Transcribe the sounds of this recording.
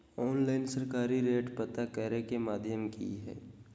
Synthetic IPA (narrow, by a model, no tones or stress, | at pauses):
ɔːnlaːɪnsəɾkaːɾiɾeːʈpət̪akəɾekemaːd̪ʱjəmkḭɦɛ̰ː